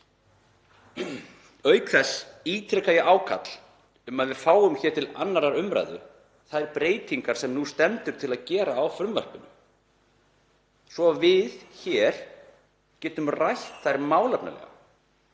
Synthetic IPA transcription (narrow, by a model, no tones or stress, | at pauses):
œːɥkθɛsːiːt̪ʰɾɛkajɪʔaːwkʰa̰t̪l̥ | ʏmaðvɪðfaːwʏmçɛːɾ̥t̪ʰɪla̰nːaɾaɾʏmɾa̰jðʏ̰ | θaðɛɾpɾeːjt̪iŋkaɾ̥sɛmnust̪ɛmt̪ʏɾ̥t̪ʰɪlaðcɛːɾaːwfɾʏmva̰r̥pʏnʏ | svɔvɪðçɛːɾ̥ | cɛːt̪ʏmrajçt̪θajɾmaːwlapna̰lɛ̰ɣa̰